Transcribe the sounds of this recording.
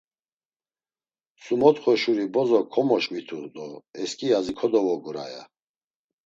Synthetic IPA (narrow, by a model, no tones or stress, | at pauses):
sumɔt̪χɔʃuɾibɔzɔkʰɔmɔʃmit̪ʰuɾd̪ɔɛskʼiazikʰɔd̪ɔvɔɡuɾa̰ja̰